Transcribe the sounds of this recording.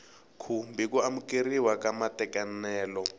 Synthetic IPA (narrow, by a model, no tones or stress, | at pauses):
kʰumbikuamukiriwakʼamatʼɛkanɛːlɔ